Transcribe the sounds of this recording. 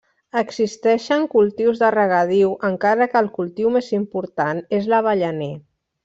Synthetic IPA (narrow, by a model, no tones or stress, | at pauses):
əɡsist̪ɛʃəŋkulˠt̪iwzðərəɣ̞əð̞iwʔəŋkaɾəkəːlˠkulˠt̪iwmezimpuɾt̪anezləβ̞əʎəne